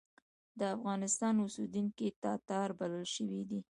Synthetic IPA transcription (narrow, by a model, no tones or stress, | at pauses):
d̪əafɣɑnɪst̪ɑnʊsid̪uŋkit̪ɑt̪ɑɾbaləlʃəwid̪i